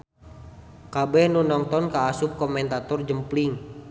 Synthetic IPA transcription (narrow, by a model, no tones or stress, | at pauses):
kabɛhnunɔŋt̪ɔnkaːsup̚kɔmɛnt̪at̪ɔrd͡ʒəmpliŋ